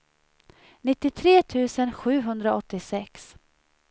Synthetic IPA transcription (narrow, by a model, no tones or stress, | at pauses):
nɪt̪ːɪt̪ʰɾeːt̪ʰʉ̟ːsənɧʉ̟ːɦɵnd̪ɾaɔt̪ːɪsɛks